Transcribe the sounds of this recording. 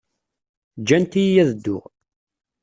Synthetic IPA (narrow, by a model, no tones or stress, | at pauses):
d͡ʒːænt̪ijjæðəd̪ːʊ̰ʁ